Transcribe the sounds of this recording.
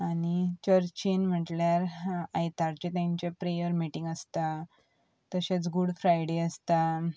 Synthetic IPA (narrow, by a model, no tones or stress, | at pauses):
añit͡ɕəɾt͡ɕinm̤əʈljaɾajt̪aɾt͡ɕet̪jãɲt͡ɕepɾejəɾmiʈĩŋɡəst̪a | t̪əɕet͡sɡuɽfɾajɽeəst̪a